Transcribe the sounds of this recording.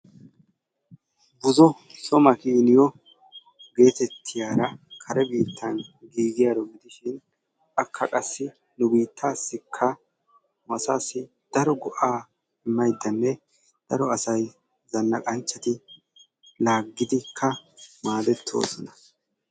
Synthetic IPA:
bʊzɔ | sɔmɐkiːnɪjɔ | ɡe̞ːt̪ɛt̪ʰːɪjaːɾɐkʰɐɾɛbiːt̪ʰːɐnɡiːɡɪjaːɾɔɡɪd̪ɪʃɪn | ɐkʰːɐkʼɐsːɪ | nʊbiːt̪ʰːaːsːɪkʰːɐ | mɐsaːsːɪ | d̪̥ɐɾɔɡɔʔaː | ɪmːɐjd̪ːɐnːɛ | d̪̥ɐɾɔɐsɐj | zɐnːɐkʼɐnt͡ʃːɐt̪ɪ | laːɡːɪd̪ɪkʰːɐmaːd̪ɛt̪ʰːo̞̰ːsɔnɐ

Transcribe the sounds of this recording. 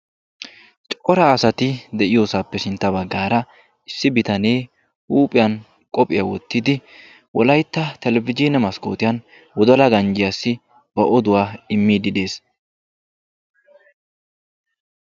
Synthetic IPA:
t͡ʃʼɔɾɐːsɐt̪ɪd̪ɛʔɪjoːsaːpːɛsɪnt̪ːɐbɐɡːaːɾɐ | ɪsːɪbɪt̪ɐne̞ː | uːpʼɪjɐn | kʼɔpʼɪjɐwɔt̪ːɪd̪ɪ | wɔlɐjt̪ːɐt̪ɛlɛvɪd͡ʒɪnɛmɐsko̰ːt̪ɪjɐn | wɔd̪ɔlɐɡɐnd͡ʒɪjasːɪ | b̥ɐʔɔd̪ʊwaːɪmːiːd̪ɪd̪e̞ːs

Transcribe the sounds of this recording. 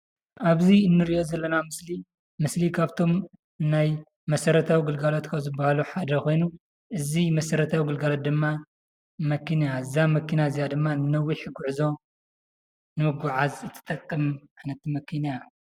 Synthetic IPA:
ʔaβziɨnːɨɾiʔo̞zɐlːɐnamɨsli | mɨslikʰaβt̪ʰo̞m | naj | mɐsɐɾɐt̪ʰawiɡɨlɡalot̪kʰazɨbahaluħad̪ɐko̞jnu | ʔɨzimɐsɐɾɐt̪ʰawiɡɨlɡalot̪̚d̪ɨmːa | mɐkʰːinjaɨzamɐkːinazijad̪ɨmːanɨnɐwːiħɨɡːuʕɨzo̞ | nɨmɨɡʷuʕazɨt̪ʰːɨ̥t̪ʼɐkʼːɨmʕanɐt̪mɐkʰinja

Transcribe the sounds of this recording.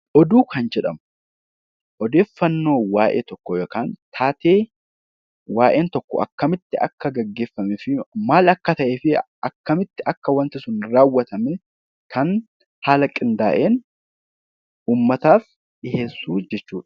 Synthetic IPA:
ʔɔd̪uːkɐnd͡ʒɛᶑɐmʊ | ʔɔd̪e̞ːfːɐnːo̞ːwaːʔḛːt̪ɔkːɔjkaːnt̪ʰaːt̪e̞ː | waːʔe̞ːnt̪ɔkːɔ̰ʔɐ̰kːɐmɪt̪ːɪɐ̰kːɐɡɐɡːe̞ːfːɐmɛfɪmaːlɐkːɐt̪ɐʔeːfɪ | ɐkːɐmɪt̪ːɪʔɐkːɐwɐnt̪ɪsʊnɾaːwːɐt̪ɐmɛ | kʰɐn | haːlɐkʼɪnd̪aːʔe̞ːn | uːmːɐt̪aːf | ɪheːsːuːd͡ʒɛt͡ʃːuːᶑɐ̥

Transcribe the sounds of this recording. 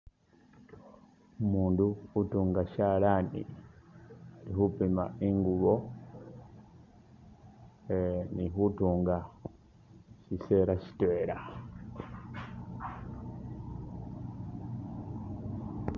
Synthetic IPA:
umuːnduːtuːŋɡaʃalanḭ | alihupima̰iŋɡuβo | eniɦutuːŋɡa | ʃiseɾaʃi̥tweɾa

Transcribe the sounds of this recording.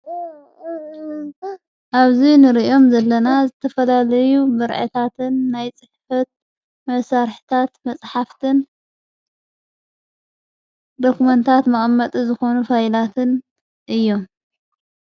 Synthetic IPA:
ʔaβzinɨɾiʔjo̞mzɐlːɐnazɨt̪ʰɐfɐlalɐjubɨɾʕɨ̰t̪ʰat̪ʰɨnːajt͡sʼɨħfɐt̪̚ | mɐsaɾħi̥t̪ʰat̪mɐt͡sʼħaft̪ʰɨn | d̪okumɐnt̪ʰat̪mɐχʼmːɐt̪ʼizɨxo̞nufajlat̪ʰɨn | ʔɨjːo̞m

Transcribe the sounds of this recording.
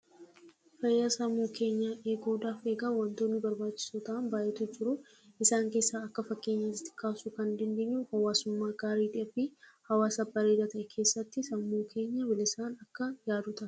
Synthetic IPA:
fɐjːasɐmːuːkʰe̞ːɲːaːʔeːɡoːd̪aːfe̞ːɡawɐnt̪o̞ːnːɪbɐɾbaːt͡ʃːɪ̥suːt̪ɐʔɐnbaːʔɛt̪ud͡ʒɪɾʊ | ɪsaːŋke̞ːsːaːɐkːɐfɐkːe̞ːɲːɐɪt̪ːɪ̥kʰaːsukɐnd̪ɐnd̪eːɲːuhɐwaːsʊmːaːɡaːɾiːᶑ̪ɪɛbiːhɐwaːsɐbɐɾeːd̪ɐt̪ɐʔɛkʰe̞ːsːɐt̪ːɪsɐmːuːkʰe̞ːɲːɐbɪlɪsaːnɐkːɐjaːd̪ʊt̪ʼɐ

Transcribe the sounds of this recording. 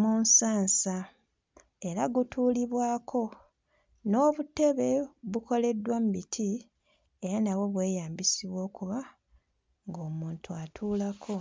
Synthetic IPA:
muːnsaːnsa | e̞ɾaɡutʰuːliβwaːkʰo̞ | no̞ːβute̞βe̞βuko̞le̞dːwammitʰi | e̞ɾanaβo̞βwe̞ːjaːmbisiβwo̞ːkuβa | ŋɡo̞ːmuːntuatʰuːlakʰo̞

